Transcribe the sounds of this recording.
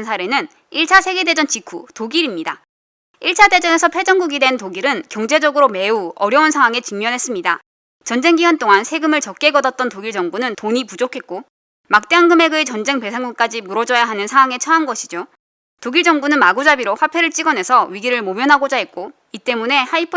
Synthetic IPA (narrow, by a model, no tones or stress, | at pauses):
nsʰaɾe̞nɯn | iɭt͡ɕʰasʰe̞ɡe̞de̞d͡ʑʌnt͡ɕikʰutoɡiɾimɲida | iɭt͡ɕʰade̞d͡ʑʌne̞sʰʌpʰe̞d͡ʑʌŋɡuɡidwe̞ntoɡiɾɯnkjʌŋd͡ʑe̞d͡ʑʌɡɯɾome̞uʌɾjʌunsʰaŋwaŋe̞t͡ɕiŋɲʌnɦe̞s͈ɯmɲida | t͡ɕʌnd͡ʑe̞ŋɡiwʌnt͈oŋansʰeɡɯmɯɭt͡ɕʌk̚k͈e̞ɡʌdʌt̚t͈ʌntoɡiɭd͡ʑʌŋɡunɯntoɲipud͡ʑokʰe̞t̚k͈o | mak̚t͈eaŋɡɯmeɡɯet͡ɕʌnd͡ʑe̞ŋpe̞sʰaŋɡuŋk͈ad͡ʑimuɾʌd͡ʑʌjaɦanɯnsʰaŋwaŋe̞t͡ɕʰʌanɡʌɕʰid͡ʑo | toɡiɭd͡ʑʌŋɡunɯnmaɡud͡ʑabiɾoɸwapʰe̞ɾɯɭt͡ɕ͈iɡʌnɦe̞sʰʌɥiɡiɾɯɭmomjʌnɦaɡod͡ʑaɦe̞t̚k͈o | it͈e̞mune̞haipʰ